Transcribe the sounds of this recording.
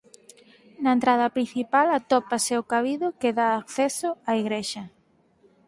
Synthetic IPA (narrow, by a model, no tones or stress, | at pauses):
nɐent̪ɾaðɐpɾin̟θipalat̪ɔpaseokaβiðʊkeðaːkθesʊaiɣɾeʃɐ